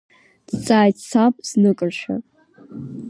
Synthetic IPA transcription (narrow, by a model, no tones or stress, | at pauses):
d̥t͡sʼaːjtt͡sʰapʼz̥nɨkʼɨrʃʷᶣa̰